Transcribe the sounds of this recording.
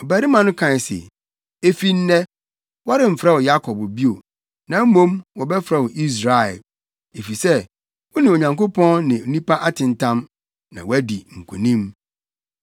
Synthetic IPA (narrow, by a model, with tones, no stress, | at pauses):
ɔ˨bæ˨ɾi˦mã˨nʊ̃˦kʰã˨sḛ˨ | e˦fi˦n̩˦nɛ˦ | wɔ˦ɾɪ̃˨m̩˨fɾa˦wɔ˨ja˦kʰɔ˨bbi˦o˨ | nã˨˦mõ˦mwɔ˨bɛ˦fɾɛ˦wɔ˨ʔi˦s̬ɾa˨ɛ̰˨ | e˨fi˨sɛ˦ | wɔ˦nɪ̃˨o˨ɲã˨ŋko˦pʰɔ̃˦nnɪ̃˨o˨nĩ˦pa˦ʔa˦tʰɪ̃˨n˨tʰã˦m | nã̰˨wæ˦di˨ŋ̩˨kʰu˨nĩ˦m